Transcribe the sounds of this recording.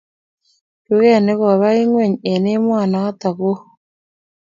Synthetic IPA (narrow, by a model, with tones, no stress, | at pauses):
ju˦ɣɛ˦˨ne˦ɣɔ˨βa˦i˦ŋwe˦˨ɲe˨ne˦mwa˦˨naː˨˦t̪a˨ɣo˦